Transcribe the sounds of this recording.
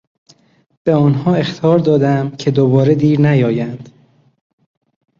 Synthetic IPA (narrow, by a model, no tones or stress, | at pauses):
b̥e̞ɒːnɦɒːe̞xt̪ʰɒːɾd̪ɒːd̪æmcʰe̞d̪obɒːɾed̪iːɾnæjɒːjænd̪̥